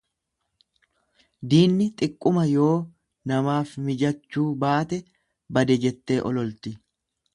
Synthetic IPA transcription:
d̪iːnːɪt̪ʼɪkʼːʊmɐjo̞ː | nɐmaːfmɪd͡ʒɐt͡ʃːuːbaːt̪ɛ | bɐd̪ɛd͡ʒɛt̪ːe̞ːʔɔ̰lɔlt̪ɪ

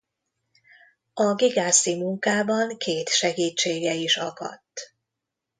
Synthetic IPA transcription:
ɒɡiɡaːsimuŋkaːbɒŋkeːt̪ʃɛɡiːt͡ʃːeːɡɛiʃɒkɒ̰t̪ː

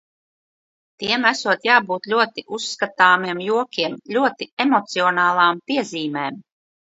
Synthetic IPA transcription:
t̪iɛmæsuɔt̪jaːbuːt̪lʲuɔt̪iʔusːkat̪aːmiɛmjuɔkʲiɛmlʲuɔt̪iemɔt̪siɔnaːlˠaːmpiɛziːmeːm

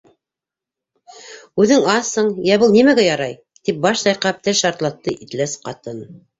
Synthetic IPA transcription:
ʉðɘŋɑθɤɴjæβɤlˠnimæɡæjɑɾɑj | t̪ip̚bɑʃsɑjqɑp̚t̪ɘʃɑɾt̪lˠɑt̪ːɤʔit̪læsqɑt̪ɤn

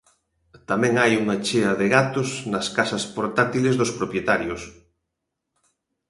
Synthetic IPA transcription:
t̪amɛ̃ŋajuŋɐt͡ʃeɐðɪɣat̪osnɐskasɐspoɾt̪at̪ilezðospɾopjet̪aɾjos

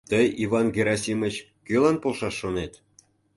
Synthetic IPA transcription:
t̪əjivɑnɡʲeɾɑsʲimə̆t͡ɕ | kølɑnpolʃɑʃːonet̪

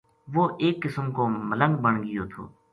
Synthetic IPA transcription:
ʋoːʔeːkːɪsəmkoːmələ̃ŋɡbəɳɡɪjoːt̪ʰo̰ː

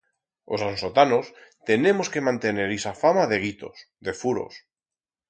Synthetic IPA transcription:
o̞̰sanso̞t̪anost̪e̞ne̞mo̞ske̞mãnt̪e̞ne̞ɾisafamaðe̞ɣ̞it̪o̞̰s | ðe̞fuɾo̞̰s

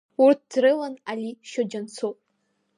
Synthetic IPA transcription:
urt̚ʰd̥rɨlanaliʃod͡ʒant͡sʰopʼ

